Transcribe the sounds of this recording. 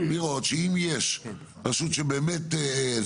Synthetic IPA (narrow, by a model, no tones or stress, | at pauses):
niʁo̞t̪ʃeimjeʃ | pasut̪ʃebeːmet̪